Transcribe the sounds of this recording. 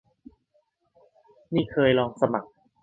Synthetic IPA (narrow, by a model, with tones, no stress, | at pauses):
niː˥˩kʰɤː˧jlɔː˧ŋsa˧ma˨˩k̚